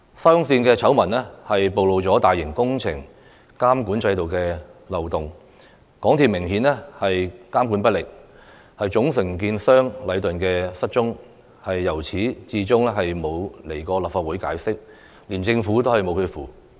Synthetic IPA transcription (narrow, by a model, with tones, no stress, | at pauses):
sɐ˥ŋsiː˧nkɛː˧t͡sʰɐ˨˥wmɐ˨˩nlɛ˥hɐ˨jpo˨wlo˨˧wt͡sɔː˨˥t̪aː˨jːɪ˨˩ŋkʊ˥ŋt͡sʰɪ̰˨˩ŋ | kaː˥mkuː˨˥nt͡sɐ˧jt̪o˨wkɛː˧lɐ˨wt̪ʊ˨ŋ | kɔː˨˥ŋt̪ʰiː˨p̚mɪ˨˩ŋhiː˨˥nɛ˥hɐ˨jkaː˥mkuː˨˥npɐ˥t̚lɪ˨k̚ | hɐ˨jt͡sʊ˨˥ŋsɪ˨˩ŋk̬iː˧nsœː˥ŋlɐ˨˧jt̪ɵ˨nkɛː˧sɐ˥t̚t͡ʃʊ˥ŋ | hɐ˨jːɐ˨˩wt͡sʰiː˨˥t͡siː˧˥t͡sʊ˥ŋɛ˥ɦɐ˨jmo˨˧wle˨˩jkɔː˧lɐː˨pfaː˧t̚wuː˨˥jkaː˨˥jsɪ˥k̚ | liː˨˩nt͡sɪ˧ŋfuː˨˥t̪o˥whɐ˨jmo˨˧wkʰɵ˧fuː˨